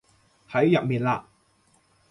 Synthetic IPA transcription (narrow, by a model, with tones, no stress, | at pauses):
hɐ˨˥jjɐ˨t̚miː˨˩nlaː˧